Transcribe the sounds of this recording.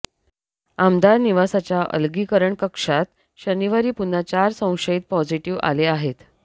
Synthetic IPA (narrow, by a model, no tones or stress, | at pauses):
amd̪aɾniʋasat͡ɕjaʔə̰lɡiːkəɾəɳkəkʂat̪ | ɕəniʋaɾiːpun̤at͡ɕaɾsə̃w̃ʂəit̪̚pɔd͡ziʈiʋa̰leaɦet̪